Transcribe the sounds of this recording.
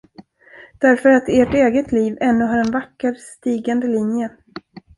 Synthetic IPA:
d̪̥æɾfœɾat̪eːʈeːɡət̪ʰliːvɛnːɵɦaɾɛnvakːəɾst̪iːɡand̪əlɪnjə

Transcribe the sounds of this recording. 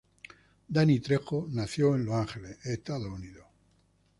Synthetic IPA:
d̪anit̪ɾexonaθjoẽnloaŋxeleet̪aðouniðo

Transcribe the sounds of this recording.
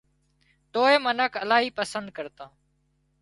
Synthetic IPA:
t̪oːeːmənəkʰəlaːɦiːpəsənd̪̚kəɾt̪ãː

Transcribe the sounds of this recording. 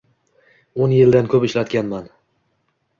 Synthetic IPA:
onjɪld̪ankʰɵpɪʃlat̪kʲanman

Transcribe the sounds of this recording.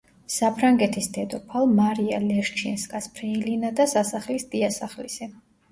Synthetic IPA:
sapʰɾaŋɡɛt̪ʰisd̪ɛd̪ɔpʰalˠmaɾia̰lɛɾt͡ʃʰɛnskʼaspʰɾɛilinad̪asasaχlisd̪iasaχlḭsɛ

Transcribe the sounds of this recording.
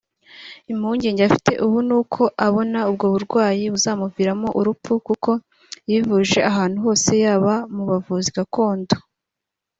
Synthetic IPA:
imhuːɲɟe̞ːɲɟeafi̥te̞̰ʔuβunuːkʰo̞ʔaβo̞naubɡo̞ːβuɾɡwaːjiβuzaːmuviːɾamo̞ʔuɾupukuko̞ | jivuʒe̞aɦaːn̥huɦo̞ːse̞jaːβamuβavuːziɡako̞ːndo

